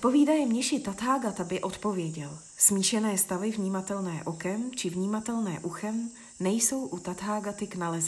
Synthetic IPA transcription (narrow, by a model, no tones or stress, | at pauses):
t̪po̞viːdajɛmɲɛʃɪt̪at̪ɦaːɡat̪abɪʔo̞t̪po̞vjɛɟɛl | smiːʃɛnɛːst̪avɪvɲiːmat̪ɛlnɛːʔokɛmt͡ʃɪvɲiːmat̪ɛlnɛːʔuxɛm | nɛjso̞wʔut̪at̪ɦaːɡat̪ɪknalɛz